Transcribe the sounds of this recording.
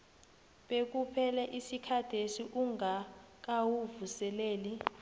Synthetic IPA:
ɓek̬upʰɛlɛʔisikʰad̥ʱesiʔuŋa | k̬awuvusɛleːli

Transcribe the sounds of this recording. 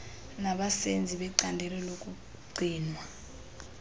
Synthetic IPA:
naɓasend͡zʱiɓɛǀandʱɛlɛlokʼu | ɡ͡ǀʱiːnwa

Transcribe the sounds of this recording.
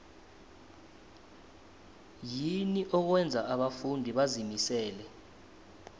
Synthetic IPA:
jiniʔɔk̬wɛnd͡zʱaʔaɓafundʱiɓazimisɛːlɛ

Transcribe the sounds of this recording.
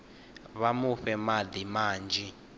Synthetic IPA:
βamuɸɛmad̪imaːnd͡ʒʱi

